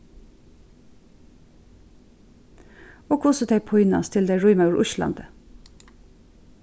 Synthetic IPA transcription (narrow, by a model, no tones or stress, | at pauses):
oːkʰʊsət̪ʰeɪpʰɔʏnɑ̰st̪ʰɪld̪eɪɹʊʏmɑʊɹʔʊʃlɑ̰nd̪ə